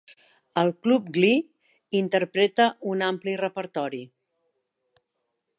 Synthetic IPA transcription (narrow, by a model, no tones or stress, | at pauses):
əlˠklup̚ɡli | int̪əɾpɾet̪əʔunamplirəpəɾt̪ɔɾi